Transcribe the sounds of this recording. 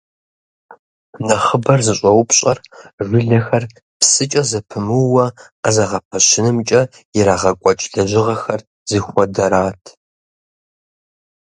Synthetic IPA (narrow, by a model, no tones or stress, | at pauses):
nɐχəbɐrzɨɕʼɐwʊpɕʼɐrʒʷɪɮɐxɐr | psɨt͡ʃʼɐzɐpʰɨmɨwɐ | azɐʁɐpʰɐɕɪnɨmt͡ʃʼɐ | jɪɾaːʁɐkʷʼɔt͡ʃʼɮɐʑɪʁɐxɐr | zixʷɔdɐɾaːtʰ